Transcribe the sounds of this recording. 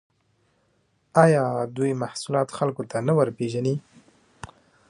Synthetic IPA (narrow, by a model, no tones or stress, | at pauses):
ɑjɑd̪ujmahsulɑt̪xalkot̪anawəɾpeʒani